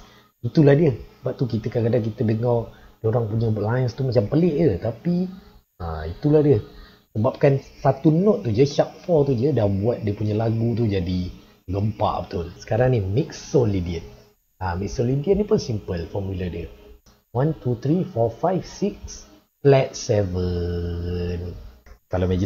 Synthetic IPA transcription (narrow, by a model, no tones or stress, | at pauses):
it̪ulahdiəhsəbap̚t̪ukit̪əkakadaŋk̬it̪ədəŋɔrdoɾaŋpuɲəbaʔlajənst̪umat͡ʃampəleʔjət̪api | a̰it̪ulahdiəh | səbap̚kansat̪unɔt̪̚ːud͡ʒəiʃap̪̚fɔt̪ud͡ʒədahbuat̪̚diəpuɲəlaɡut̪̬ud͡ʒadi | ɡəmpa̰ʔpət̪ulsə̥kaɾaŋnimik̚ssolidiən | amik̚solidiənipʊnsimpəlfɔmulədə | want̪ut̪ɾifɔfajfsik̚s | plɛt̪̚sɛvə | nkalamad͡ʒ